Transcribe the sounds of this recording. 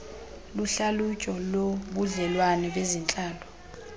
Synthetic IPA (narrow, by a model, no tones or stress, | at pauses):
luɬalut͡ʃʼɔloɓuɮɛlwanɛɓezint͡ɬʼaːlɔ